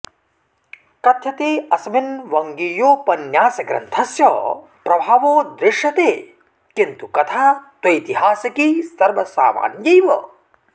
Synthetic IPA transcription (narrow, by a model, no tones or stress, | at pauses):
kɐt̪ʰjɐt̪eːɐsɐminʋɐŋɡijoːpɐnjaːsɐɡɾɐ̰nt̪ʰɐsjɐ | pɾɐbʱaːʋoːd̪ɾɪʃjɐt̪eː | kint̪ukɐt̪ʰaːt̪ɐjt̪iɦaːsɐkisɐɾʋɐsa̰ːma̰ːnjɐjʋɐ